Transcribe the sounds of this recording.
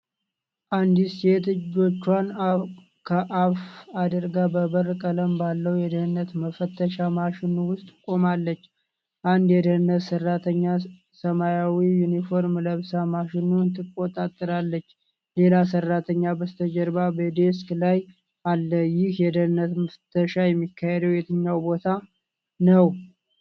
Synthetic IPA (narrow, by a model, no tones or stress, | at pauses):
ʔand̪iset̪ɨd͡ʒo̞t͡ʃːwan | kʰəʔafad̪əɾɡabəbərkʼələmbalːəwjɛd̪əhɨnːət̪məfət̪ʰːəʃamaʃɪnuwʊst̪ʼkʼo̞malːət͡ʃː | ʔand̪jɛd̪əɨnːət̪sərːat̪ʰəɲːa | səmajawijunifo̞ɾmləβsamaʃɪnunt̪ʰɨkʼːo̞t̪ʼat̪ʼːɨɾalːət͡ʃː | le̞lasərːat̪ʰəɲːabəst̪ʰəd͡ʒəɾbabəd̪esklaj | ʔalːəjɪhjɛd̪ənɨnːət̪məfət̪ʰəʃajɛmːikʰːahed̪əwjɛt̪ʰəɲːawbo̞t̪ʰa | nəw